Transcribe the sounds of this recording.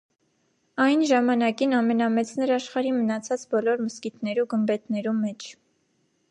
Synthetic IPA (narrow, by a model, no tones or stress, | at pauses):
ɑjnʒɑmɑnɑkinɑmɛnɑmɛt͡sʰnɛɾɑʃχɑɾimənɑt͡sʰɑt͡sbɔlɔɾməskit̪nɛɾuɡəmbɛt̪nɛɾumɛt͡ʃʰ